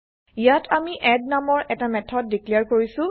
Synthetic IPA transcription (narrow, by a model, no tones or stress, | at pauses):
ijatʰamiʔɛdnamɔɹʔɛtamɛtʰɔt̚dikliaɹkoɹisʊ̃